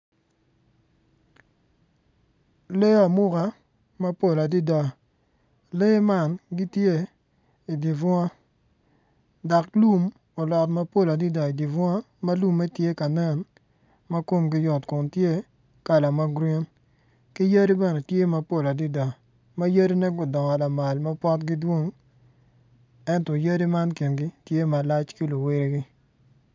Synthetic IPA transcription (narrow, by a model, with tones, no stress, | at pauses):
le˦a˨mʊ˦ka˨˦ | ma˦po˦˨la˨di˦da˨ | le˦ma˦˨nɡi˦tje˦ | i˨di˨vɔ˦a˦ | da˨klu˦m | o˨lɔ˨tma˦po˦˨la˨di˦da˨i˨di˨vwa˦ | ma˦lu˦mːe˦tje˦ka˨nɛ˦˨n | ma˦ko˦mɡɪ˦jɔ˨tkʊ˨ntje˦ | ka˨la˨ma˦ɡɾi˦n | kɪ˦jə˦di˦bɛ˦nɛ˨tje˦ma˦po˦la˨di˦da˨ | ma˦jə˦di˦nɛ˦ɡʊ˨dɔ˨ŋɔ˨la˨ma˨lma˦pɔ˦tɡɪ˦dwo˦ŋ | ɛ˦ntɔ˨jə˦di˦ma˦nki˨nɡɪ˦tje˦ma˨la˦t͡ʃkɪ˦lo˨wɪ˦ɾe˦ɡɪ˦